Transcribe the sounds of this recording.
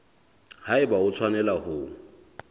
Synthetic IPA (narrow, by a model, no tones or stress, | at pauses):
haɪbaʊt͡sʰwanɛlahʊ